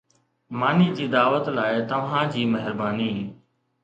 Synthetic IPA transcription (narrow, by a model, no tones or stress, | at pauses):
maːniːd͡ʑiːd̪aːʋət̪laːɪt̪ɐʋ̤ãːd͡ʑiːməɦɪɾbaːniː